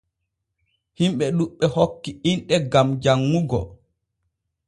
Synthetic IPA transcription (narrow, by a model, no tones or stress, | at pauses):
himɓɛɗuɓːɛhokːiinɗɛɡamd͡ʒaŋːuɡɔ̰